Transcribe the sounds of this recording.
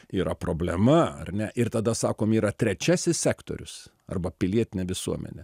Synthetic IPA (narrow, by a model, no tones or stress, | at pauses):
iːɾɐpɾoːbʲlʲɛmɐɐ̰rʲnʲɛʔɪrt̪ɐd̪ɐsɑ̰ːkoːmiːɾɐt̪ʲɾʲɛt͡ʃʲæːsʲɪsʲsʲæːkt̪o̰ːɾʲʊ̰s | ɐ̰rbɐpʲɪlʲiɛt̪ʲɪnʲɛʋʲɪsuɔmʲɛ̰nʲɛ